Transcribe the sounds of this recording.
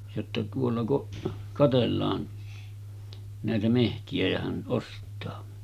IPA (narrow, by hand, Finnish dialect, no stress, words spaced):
jotːɑ tuolːɑ kuʔ kɑtelːɑːn næˑetæ mehtiæ jæ hæn ʔostˑɑː